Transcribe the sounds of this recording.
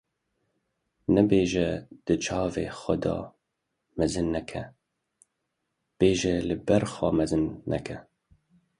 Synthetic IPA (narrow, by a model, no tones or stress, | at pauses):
nɛbeːʒɛd̪̥ɨt͡ʃʰɑːveːxʷɛd̪ɑ̰ː | mɛzɨnːɛkʰɛ | b̥eːʒɛlɨbɛɾxɑːmɛzɨnːɛ̰kʰɛ